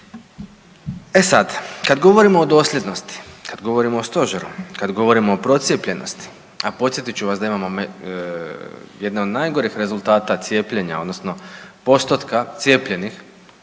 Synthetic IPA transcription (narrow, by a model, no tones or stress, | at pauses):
esad̪kad̪ɡo̞ʋo̞ɾimoːd̪o̞ːslʲe̞d̪no̞st̪i̥kad̪ɡo̞ʋo̞ɾimoost̪o̞ʒeɾukad̪ɡo̞ʋo̞ɾimoopɾo̞t̪sjepʎe̞nʔo̰st̪i̥ | apo̞t̪sjet̪it͡ʃuʋasd̪aimamom | je̞d̪naod̪najɡoɾixɾe̞zulˠt̪aːt̪at̪sje̞ːpʎeɲa̰o̞d̪nosnopo̞st̪ot̪kat̪sje̞ːpʎe̞nix